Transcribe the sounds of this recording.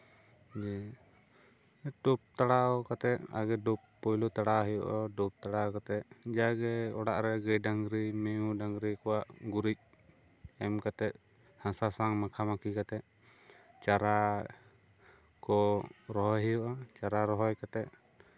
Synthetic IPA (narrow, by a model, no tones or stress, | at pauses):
d͡ʒɛ | ɖup̚t̪aɽaɔkat̪ɛt̪̚a̰ɡɛɖupːɔjlut̪aɽaɦɛjɔ̰ʔa̰ɖup̚t̪aɽakat̪ɛt̪̚d͡ʒaɡɛɔɽaʔɾɛɡɛɖaŋɡɾimɛjũɖaŋɡɾikɔwaʔɡuɾic̚ | ɛmkat̪ɛt̪̚ | hãsasaŋmakʰamakikat̪ɛt̪̚ | t͡ʃaɾa | kɔɾɔɦɔɦɛjɔʔat͡ʃaɾaɾɔɦɔjkat̪ɛt̪̚